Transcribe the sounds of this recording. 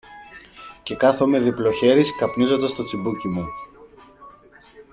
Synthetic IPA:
ce̞kɐθo̞me̞ðiplo̞çe̞ɾiskɐpnizo̞nd̪ɐst̪o̞t͡sibucimu

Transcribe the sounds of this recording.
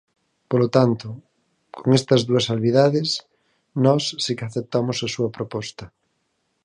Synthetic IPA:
polot̪ant̪o | kʰoŋest̪ɐzðuɐsalβiðaðes | nɔsːikaθep̚t̪amosasuɐpɾopɔst̪ɐ

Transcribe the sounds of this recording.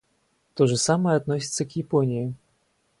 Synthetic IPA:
t̪ɔʐɨsaməjɛat̪nɔsʲit̪sɐkjɪpɔnʲiji

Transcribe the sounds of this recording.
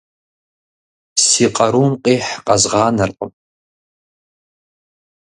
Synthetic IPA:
siːqʼɐɾuːmqʼiːħqʼɐzʁɑːnɐrqʼə̰m

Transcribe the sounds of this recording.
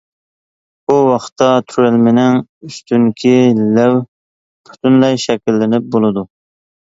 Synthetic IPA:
buwɑχt̪ːɑt̪ʰyɾɪlmɪnɪŋyst̪ʰyŋkʲʰilæw | bʰy̥t̪ʰynlɛjʃɛkʲilːɪnɪp̚bolˠɨd̪u

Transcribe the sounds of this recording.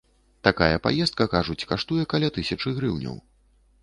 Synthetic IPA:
t̪akajɐpa̰jɛst̪̚kɐkaʐut͡sʲkaʂt̪ujɛkalʲat̪ɨsʲɐt͡ʂɨɣɾɨwnʲɐ̰w

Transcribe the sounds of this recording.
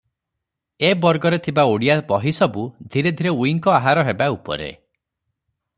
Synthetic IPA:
ebɔɾɡɔɾet̪ʰibaoɽijabɔɦisɔbud̪ʱiɾed̪ʱiɾeuiŋkɔaɦaɾɔɦebaupɔ̰ɾḛ

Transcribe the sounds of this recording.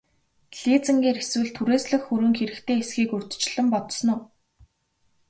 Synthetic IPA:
ɮiːt͡sɘ̆ŋɡeːrxeswɘ̆ɮt̪ʰuɾeːsɮɘ̆xxuɾɘ̆ŋxeɾɘ̆kt̪ʰeːesɡiːkɵr̥t̪̆t͡ɕɮɘ̆mpɔt̪snʊː

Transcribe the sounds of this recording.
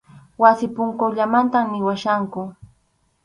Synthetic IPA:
wasɪpʊŋkoʎamant̪amnɪwaʃaŋkʊ

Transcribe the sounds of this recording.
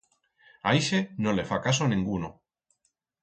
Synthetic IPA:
ajʃenolefakasonĩŋɡuno

